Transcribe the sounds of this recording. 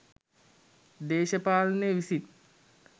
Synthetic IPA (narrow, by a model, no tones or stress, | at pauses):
d̪eːʃɐpaːlɐneʋisit̪